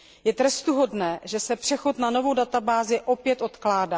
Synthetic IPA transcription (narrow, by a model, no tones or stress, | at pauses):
jɛt̪ɾɛst̪uɦo̞dnɛːʒɛsɛpr̥ɛxo̞t̪nano̞vo̞wdat̪abaːzɪʔo̞pjɛt̪ʔo̞t̪klaːdaː